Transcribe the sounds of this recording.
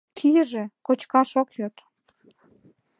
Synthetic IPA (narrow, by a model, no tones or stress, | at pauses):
kʰijəʒekot͡ɕkɑʃokjot̪